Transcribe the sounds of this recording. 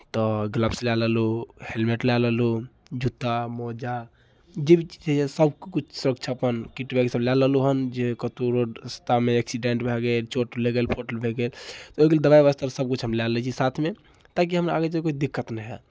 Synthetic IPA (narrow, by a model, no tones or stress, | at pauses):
t̪ɔɡləbslaləluhelmeʈlaləlu | d͡ʒut̪ːamɔd͡ʒa | d͡ʒebit͡ʃid͡ʒesəbkkut͡ʃʰsuɾəkt͡ʃʰapənkiʈbʱekesəblaləluɦənd͡ʒekət̪uɾoɖst̪ameeksiɖeɳʈbʱeɡelt͡ʃoʈleɡelpʰoʈəlbʱeɡelt̪ɔoikeled̪əbaiʋast̪aɾsəb̚kut͡ʃʰɦəmlalɛt͡ʃʰisat̪ʰme | t̪ak̬iɦəma̰ɡet͡ʃikoid̪ikːət̪nɛɦɛ